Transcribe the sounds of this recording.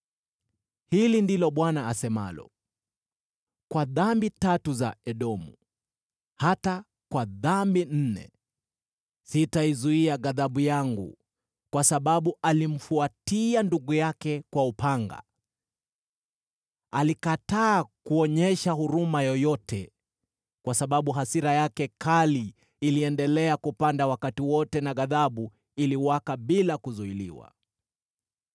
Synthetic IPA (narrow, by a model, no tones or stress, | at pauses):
hilindilɔɓwanaːsɛma̰lɔ̰ | kwaðambitatuzaɛɗɔmṵ | hata | kwaðambin̩nɛ̰ | sitaizuiaɣaðaɓujaŋɡṵ | kwasaɓaɓuʔalim̩fuatianduɡujakɛkwaupʰaŋɡa̰ | alikataːkuɔɲɛʃahuɾumajɔjɔtɛ | kwasaɓaɓuɦasiɾajakɛkaliː | liɛndɛlɛakupandawakatiwɔtɛnaɣaðaɓu | iliwakaɓilakuzuilḭwa̰